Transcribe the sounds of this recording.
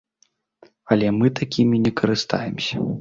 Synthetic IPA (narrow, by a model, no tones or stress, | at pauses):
ɐlʲɛmɨt̪akʲimʲinʲɛkʰɐɾɨst̪a̰jɛmsʲɐ̥